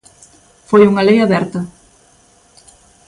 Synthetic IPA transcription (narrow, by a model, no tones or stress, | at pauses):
fojuŋɐlejaβɛɾt̪ɐ